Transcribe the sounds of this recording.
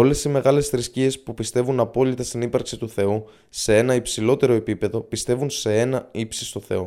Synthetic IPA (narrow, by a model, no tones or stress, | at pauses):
o̞le̞sime̞ɣɐle̞sθɾiscie̞spupist̪e̞vunɐpo̞lit̪ɐst̪inipɐɾksit̪uθe̞u | se̞e̞nɐipsilo̞t̪e̞ɾo̞e̞pipe̞ðo̞pist̪e̞vunse̞e̞nɐipsist̪o̞θe̞̰o